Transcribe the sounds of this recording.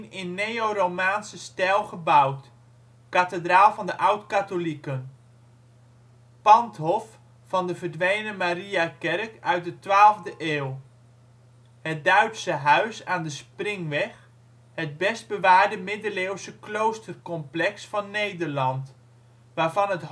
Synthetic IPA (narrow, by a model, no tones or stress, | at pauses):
nɪnːejorowmaːnsəstɛlˠχəbawt | katədraːlˠvɑndəʔawtkatolikən | pɑntɦɔfː | ɑndəvərdʋejnəmariakɛrkœɥt̚dətʋaːlˠvdəʔeːlˠ | hət̚dœɥtsəɦœɥsaːndəsprɪŋʋɛx | həd̚bɛst̚bəʋaːɹdəmɪdəleːwsəklowstərkɔmplɛksfɑnːejdərlɑnt | ʋaːɹvɑnɦət